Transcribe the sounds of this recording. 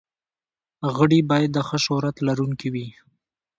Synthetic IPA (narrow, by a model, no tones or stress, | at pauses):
ɣəɽibɑjad̪ːəxəʃʊɾat̪laɾuŋkiwi